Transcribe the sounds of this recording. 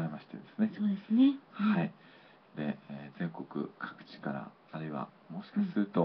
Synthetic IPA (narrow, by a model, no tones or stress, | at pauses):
aɾemaɕi̥t̪e̞d̪e̞̥sɨne̞sodesɨnehai | d̪e̞̰zẽ̞ŋko̞kɯ̟̰kʰḁkɯ̟̥t͡ɕi̥kaɾa̰ː | ɾɯ̟iβa̰ | mo̞ɕi̥kaɕisɨɾɯ̟t̪o̞